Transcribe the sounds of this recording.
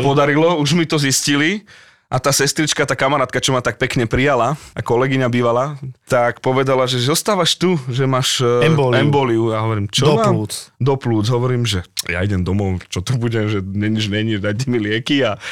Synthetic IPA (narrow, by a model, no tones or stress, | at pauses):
pɔd̪aɾilɔuʒmit̪ɔziscili | ʔat̪aːsɛst̪ɾit͡ʃkat̪aːkamaɾaːt̪̚kat͡ʃɔmat̪ak̚pɛkɲɛpɾijalaakɔlɛɡiɲabiːʋalat̪akpɔʋɛd̪alaʒɛzɔst̪aːʋaʃt̪uʒɛmaːʃɛmbɔːliuaɦɔʋɔɾiːmt͡ʃɔʋamud̪ɔpluːd͡zɦɔʋɔɾiːmʒɛja̰iɟɛmd̪ɔmɔʊt͡ʃɔt̪ubuɟɛʒɛɲɛɲid͡ʒɲɛɲid͡ʒd̪ac̚tːɛmilɪɛkia